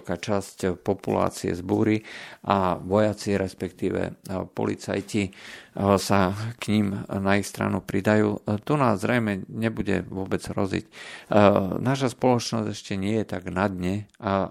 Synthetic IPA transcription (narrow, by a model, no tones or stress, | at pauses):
kaːt͡ʃascpɔpula̰ːt͡siɛ̰zbuːɾiʔaʋɔjat͡siɾɛspɛkt̪iːʋɛ̰pɔ̰lḭt͡sa̰jci | sakɲimnaixst̪ɾa̰nupɾid̪ajuːt̪unaːzzɾɛjmɛɲɛbuɟɛ̰ʋʊɔbɛd͡zɾɔzḭc | naːʃ̬aspɔlɔt͡ʃnɔzɟɛʃcɛɲɪɛjɛt̪aɡnad̪ɲɛ